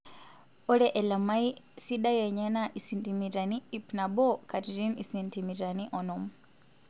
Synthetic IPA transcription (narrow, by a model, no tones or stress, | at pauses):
ɔɾɛʔɛlamaisiɗajɛɲanaʔisintimiɾaniipnaɓɔkatiɾinisintimiɾaniʔɔnɔm